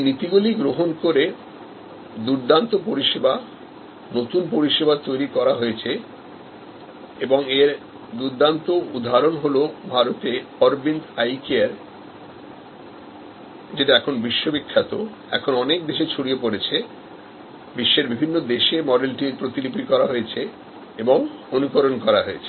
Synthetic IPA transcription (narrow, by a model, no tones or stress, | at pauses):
nit̪iɡuliɡɾoɦonkoɾe | d̪uɾd̪ant̪opoɾiʃeba | not̪unpoɾiʃebat̪ojɾikɔɾaɦojet͡ɕʰe | eboŋeɾ | d̪uɾd̪ant̪oud̪ʱaɾonɦolobʱaɾot̪eɔɾbint̪ajkeaɾ | d͡ʑeʈaɛkʰonbiʃːobikʰːat̪o̰ | ɛ̰kʰonɔnek̚d̪eʃet͡ɕʰoɽiepoɽet͡ɕʰe | biʃːeɾbibʱinːod̪eʃemɔɖelʈipɾot̪ilipikɔɾaɦoet͡ɕʰe | eboŋonukoɾonkɔɾaɦoet͡ɕʰe